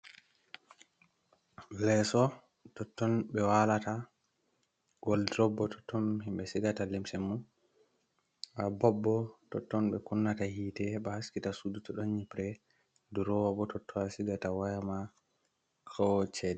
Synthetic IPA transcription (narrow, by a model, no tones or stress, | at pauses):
lɛsɔ | tɔtːɔnɓɛwalata | ɡɔldɾɔbːɔtɔ̥tːɔnhimbɛsiɡatalimsɛmːun | ʔabɔbːɔtɔtːɔnɓɛkunːatahiːtɛɓɛhaskitasudutɔɗɔnɲipɾɛ | duɾɔwabɔtɔtʰːɔasiɡatawajama | kʰawɔt͡ʃɛdɛ